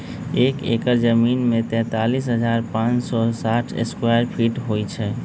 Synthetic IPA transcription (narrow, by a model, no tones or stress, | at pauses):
ekekəɾd͡ʒəminmẽt̪ɛ̃t̪alis̬ɦəd͡ʒaɾpãt͡ʃsɔsaʈʰḛskwaɾpʰiʈɦojt͡ʃʰɛ